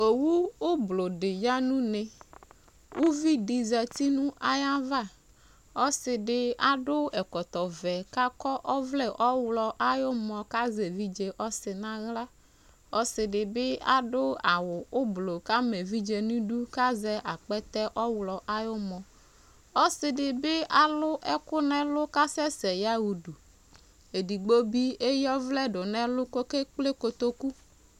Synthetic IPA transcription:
o˨wu˦o˦blo˨ɖɪ˨ɲa˦nũ˦nẽ˨ | wʔu˦vi˦ɖi˨zɛ˨t̪i˦nũ˦ʔa˦jã˦va˦˨ | ɔ˦sɪ˨ɖɪ˦a˦˨ɖo˦ɛ˨kɔ˨t̪ɔ˨vɛ˨ka˦kɔ˦ʔɔ˦vlɛ˨ʔɔ˦wlɔ˨ʔa˦jo˦mɔ̃˨ka˦ze˨vi˦d͡ʒe˨ʔɔ˦sɪ˨nã˦ɣla˦ | ɔ˦sɪ˨ɖɪ˨be˦a˦ɖʊ˦a˨wʊ˨ʊ˦blo˨ka˦me˨vi˦d͡ʒe˨nũ˦du˦ka˦zɛ˦ʔa˨k͡pɛ˦t̪ɛ˦ʔɔ˦wlɔ˨ʔa˦jʊ˦mɔ̃˨ | ɔ˦sɪ˨dɪ˨bɪ˦a˨lʊ˦ʔɛ˦kʊ˦nɛ̃˦lʊ˦ka˦sɛ˦sɛ˨ja˦wu˨du˨ | e˨di˨ɡ͡bo˦bi˦e˦jɔ˦vlɛ˦dʊ˨nɛ̃˦lʊ˦ko˦ke˦k͡ple˦ko˨t̪o˦ku˦

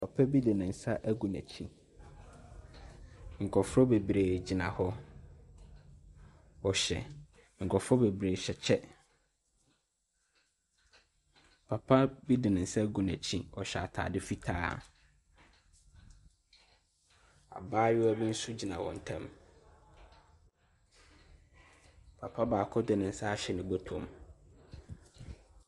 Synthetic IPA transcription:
pʰa˨pʰɛ˦bi˦di˨nɪ̃˨n̩˨sa˦ʔæ˦ɡũ˨næ̰˨t͡ɕʰĩ˦ | ŋ̩˨kʰɔ˨fʊ˦ɾɔ˦be˨bɾeː˨d͡ʑi˨nã̰˨hɔ˦ | ɔ˨ɕɛ̰˨ | ŋ̩˨kʰɔ˨fɾɔ˦be˨bɾe˨ɕɛ˨t͡ɕʰɛ˦ | pʰa˨pʰa˦bi˦dɪ˨nɪ̃˨n̩˨sɛ˦ɡu˨næ˨t͡ɕʰĩ˦ɔ˨ɕɛ˨a̰˨tʰa̰ː˨dɪ˦fi˦tʰa̰ː˦˨ | a̰˨baː˦jɪ˦æ˦bĩ˦n̩˦su˦d͡ʑi˨nã˨wɔ̰̃˨n̩˨tʰã˦m | pʰa˨pʰa˦baː˨kʰɔ˦dɪ˨nɪ̃˨n̩˨sa˦a˦ɕɛ˨nɪ̃˨bɔ˦tʰɔ̃˨m

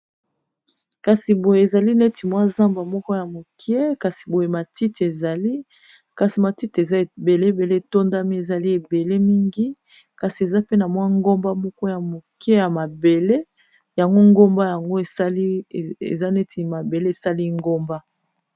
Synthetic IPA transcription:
ka˨si˨bo˨je˨e˨za˨li˦ne˦ti˨mwa˦za˦mba˨mɔ˦kɔ˦ja˨mo˨kje˦ka˨si˨bo˨je˨ma˨ti˦te˨za˨li˦ | ka˨si˨ma˨ti˦te˨za˦˨be˨le˦˨be˨le˦e˨to˦nda˦mi˦e˨za˨li˦e˨be˨le˦mi˦ŋɡi˦ | ka˨si˨e˨za˦pe˦na˨mwa˦ŋɡo˦mba˦mɔ˦kɔ˦ja˨mo˨kje˦ja˨ma˨be˨le˦ | ja˨ŋɡo˦ŋɡo˦mba˦ja˨ŋɡo˦e˨˦lḛ˨za˦ne˦tʰi˨ma˨be˨le˦e˨sa˦li˦ŋɡo˦mba˦

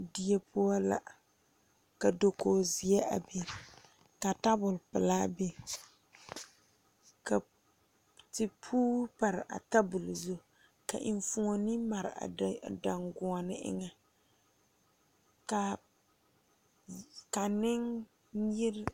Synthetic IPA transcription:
di˦e˦pʰʊ˦a˦la̰˨ | ka˨do˨ko˨zi˨ɛ˦ʔa̰˨be˦ | ka˨ta˦bʊ˨lpɪ˨laː˦be˦ | ka˨ | tɪ˨pʰuː˦pa˨ɾʔa̰˨ta˦bʊ˨lzʊ˦˨ | ka̰˨ʔɪ˨nfu˦ŋo˨ni˦ma˨ɾɪ˨a̰˨da˨ŋɡʊ˨a˨nɪ˦ʔɪ̰˦ŋa˦ | ka˨ | ka˨nɪ˦ŋ | jɪ˦ɾ

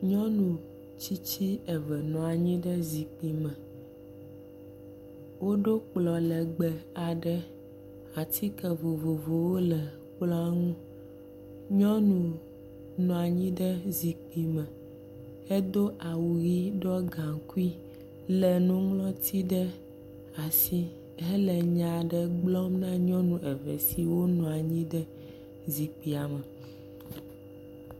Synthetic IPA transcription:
ɲɔ̃˦nũ˨ | t͡ɕi˦t͡ɕi˦ɛ˨vɛ˨nɔ̃˨a˨ɲĩ˦ɖɛ˦zi˨k͡pi˨mɛ̃˨ | wo˦ɖo˦k͡plɔ˨lɛ˨ɡ͡bɛ˨a˨ɖɛ˦ | a˨t̪i˦kɛ˨vo˨vo˨vo˨wo˦lɛ˨ | k͡plɔ˦a˦ŋũ˦ | ɲɔ̃˦nũ˨ | nɔ̃˨a˨ɲĩ˦ɖɛ˦zi˨k͡pi˨mɛ˨ | e˦d̪o˦ʔa˨wu˨ɣi˦ɖɔ˦ɡã˨ŋku˦i˦ | lɛ˨nũ˦ŋlɔ̃˦t̪ʰi˦ɖɛ˦ | a˨si˦ | ɦe˦lɛ˨ɲã˨ɖɛ˦ɡ͡blɔ˦mnã˦ɲɔ̃˦nũ˨ʔɛ˨vɛ̰˨si˨wo˦nɔ̃˨a˨ɲĩ˦ɖɛ˦ | zi˨k͡pi˨a˨mə˨

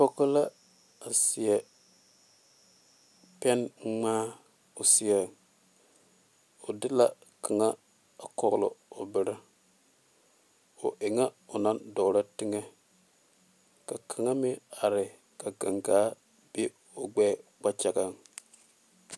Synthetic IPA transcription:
po˦ko˦la˦ | a˨si˨ɛ˨ | pɛ˦n˦ŋ͡maː˦ | o˨si˨a˨ | o˨dɪ˦la˦kʰa˨ŋa˦ | a˨ko˦ɾlo̰˨o˨bɪ˨ɾɪ˦ | o̰˨ʔe˨ŋa˦ʊ˨na˦ndɔ˨ɾa˦ti˦ŋe˦ | ka˨kʰa˨ŋa˦mɪ˦a˨ɾɪ˨ | ka˨ɡa˨ŋɡa˨˦ | be˦ | o˨ɡ͡bɛː˦k͡pa˦t͡ʃa˨ɡa˨ŋ

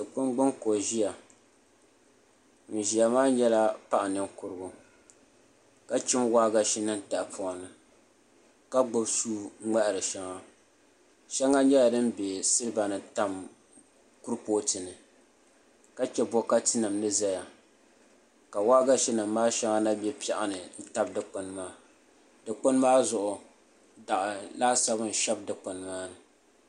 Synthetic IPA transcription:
dɨ˨k͡pʊ˦ŋɡ͡bʊ˦ŋko˨ʒi˦ja˨ | n̩˨ʒi˨ja˨maː˦ɲɛ˦la˦pa˦ʔa˨nɨ˨mkʊ˨ɾɨ˦ɡʊ˦ | ka˦t͡ʃɪ˦mwaː˦ɡa˦ʃi˦nɨ˦nta˨pʰʊ˨nɨ˨ | ka˦ɡ͡bʊ˦bsuː˦ŋ͡mɛ˦ʔɪ˨ɾɨ˨ʃa˦ŋa˦ | ʃɛ˦ŋa˦ɲɛ˦la˨dɨ˦m˦be˨sɨ˦ɾɨ˦ba˨nɨ˨ta˦m | ku˦ɾpoː˦tɨ˨nɨ˨ | ka˦t͡ʃɛ˦bɔ˦ka˦tɨ˦nɨ˨mnɨ˦za˦ja˨ | ka˨waː˦ɡa˦ʃi˦nɨ˨mːaː˦ʃa˦ŋa˦na˦bɛ˦pi˦ɛ˨ʔa˦nɨ˨n̩˦ta˦b̚dɨ˨k͡pʊ˨nmaː˦ | dɨ˨k͡pʊ˦n˦maː˦zʊ˨ʔʊ˨ | da˨ʔa˨laː˦sa˦bɨ˦n̩˨ʃɛ˦b̚dɨ˨k͡pʊ˨n˦maː˦nɨ˨

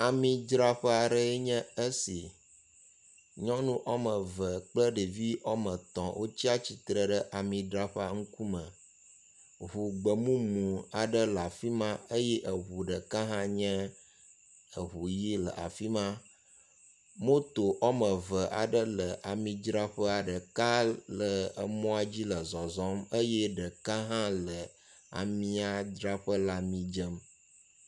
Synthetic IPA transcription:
a˨mĩ˨d͡ʒɾa˦ɸə˦a˨ɖə˦e˦ɲɛ̃˦ə˦si˨ | ɲɔ̃˦nũ˦ʔɔ˦mə̃˨və˨k͡plə˦ɖe˨vi˦ʔɔ˦mə̃˨t̪ɔ̃˨wʔo˦t͡ɕi˦a˦t͡ɕi˨t̪ɾə˨ɖə˦ʔa˨mĩ˨ɖɾa˦ɸa˦ŋu˦ku˦mə̃˨ | ɦu˨ɡ͡bə˨mũ˦mũ˨a˨ɖə˦la˨fi˦mã˦e˦jɛ˦ʔə˨ɦu˨ɖə˨ka˦ɦã˦ɲɛ̃˦ | ə˨ɦu˨ji˦lə̰˨ʔa̰˨fi˦mã˦ | mõ˦t̪o˨ʔɔ˦mə̃˨və˨ʔa̰˨ɖə˦lə˨ʔa˨mĩ˨d͡ʒɾa˦ɸə˦a˨ɖə˨ka˦lə˨ə˨mɔ̃˦a˦d͡ʑi˦lə˨zɔ˨zɔ˦mə˦jɛ˦ɖə˨ka˦ɦã˦lə˨ | a̰˨mĩ˦a˦dɾa˦ɸə˦la˦mĩ˦d͡ʒə˦m

